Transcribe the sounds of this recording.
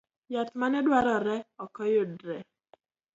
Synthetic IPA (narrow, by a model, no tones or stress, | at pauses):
jat̪manɛdwaɾɔɾɛɔkɔjodɾɛ